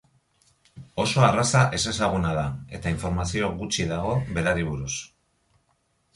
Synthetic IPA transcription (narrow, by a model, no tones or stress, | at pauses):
o̞so̞arasaʔe̞se̞saɣ̞unaðae̞t̪aiɱfo̞ɾmasio̞ɣut͡ʃiðaɣo̞βe̞ɾaɾiβ̞uɾus